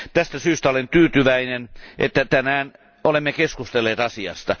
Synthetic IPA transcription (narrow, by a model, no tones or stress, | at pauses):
t̪æst̪æsyːst̪æolent̪yːt̪yʋæinenʔḛt̪ːæt̪ænæːn | olemːekeskust̪elːeːt̪ɑsiɑ̰st̪ɑ